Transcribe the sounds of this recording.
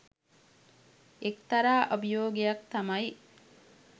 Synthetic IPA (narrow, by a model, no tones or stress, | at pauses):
ekt̪ɐɾaːʔɐbijoːɡejɐkt̪ɐmɐj